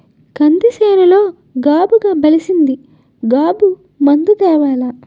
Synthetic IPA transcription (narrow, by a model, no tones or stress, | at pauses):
kɐnd̪isɛːnɐlo̞ː | ɡaːbuɡaːbɐlisind̪i | ɡaːbu | mɐnd̪ud̪ɛːʋaːla